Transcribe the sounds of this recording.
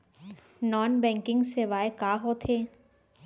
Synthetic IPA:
nɔːnbɛ̃ŋkɪ̃ŋɡseʋaːekaːɦot̪ʰeː

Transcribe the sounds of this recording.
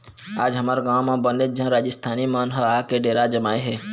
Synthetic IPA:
aːd͡ʒɦəmaɾɡãːmãbəned͡ʒãɾaːd͡ʒɪst̪ʰaːnimanɦəakeɖeːɾad͡ʒəmaːeɦɛː

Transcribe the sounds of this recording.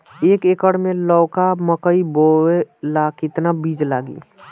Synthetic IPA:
eːkekəɽmẽlɔːkaməkəiboelaːkɪt̪nabiːd͡ʒlaːɡḭː

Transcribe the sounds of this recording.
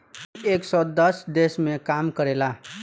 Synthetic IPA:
eksɔd̪ʌsd̪esmekamkʌɾela

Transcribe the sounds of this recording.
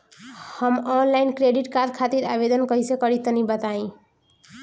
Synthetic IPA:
hʌmɔnlainkɾeɖiʈkaɾd̪̚kʰat̪iɾabed̪ʌnkʌjsekʌɾit̪ʌnibʌt̪aĩ

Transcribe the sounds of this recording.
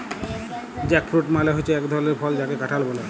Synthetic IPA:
d͡ʑɛkfʰɾuʈmaleɦojt͡ɕʰeɛkd̪ʱɔleɾpʰɔld͡ʑakekaʈʰalbole

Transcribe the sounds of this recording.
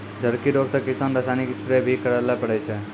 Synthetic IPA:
d͡ʒʱəɾkiɾoɡsə̃kisənɾasanikispɾebʱikəɾalapəɽɛjt͡ʃʰɛ

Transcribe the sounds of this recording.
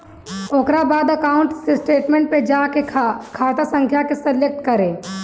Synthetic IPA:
oːkɾabaːd̪əkaːʊ̃ɳʈsesʈeːʈmẽɳʈ̚ped͡ʒaːkekʰaːt̪asə̃ŋkʰjakesɐljək̚t̪kɐɾẽː

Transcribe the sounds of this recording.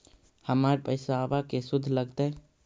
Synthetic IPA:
həmaɾpəɪsaːbakesʊd̪ʱːləɡt̪e

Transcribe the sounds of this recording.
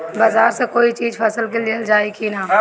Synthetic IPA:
baːzaːɾsekoːit͡ʃiːd͡ʒpʰɐsəlkeliəld͡ʒaːikʰinaː

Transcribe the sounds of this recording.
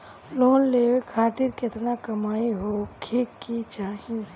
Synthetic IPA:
loːnleːwekʰaːt̪iɾkɪt̪nakɐmaːiɦokʰeːkːit͡ʃaːɦĩ

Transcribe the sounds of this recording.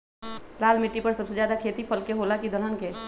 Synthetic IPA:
laːlmɪʈːipəɾsəbsed͡ʒjaːd̪akʰeːt̪ipʰəlkeɦoːlakid̪ələnke

